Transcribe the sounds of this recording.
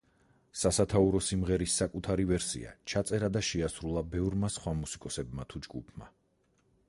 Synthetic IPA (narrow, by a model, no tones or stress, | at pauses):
sasat̪ʰauɾɔsimʁɛɾisːakʼut̪ʰaɾivɛɾsḭa̰t͡ʃʰat̪sʼɛɾad̪aʃɛasɾulˠabɛvɾmasχwamusikʼɔsɛbmat̪ʰud͡ʒɡupʰma̰